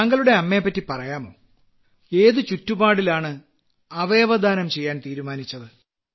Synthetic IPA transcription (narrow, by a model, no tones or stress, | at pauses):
ɐŋɡɐɭuɽe̞ɐmːe̞ːpːɐtːipɐrɐjaːmo̞̰ː | e̞ːðɨt͡ɕutːubaːɽilaːɳɨ | ɐʋe̞ːʋɐd̪ʱaːnɐmt͡ɕe̞jːaːnt̪iːɾumaːnit͡ɕːɐðɨ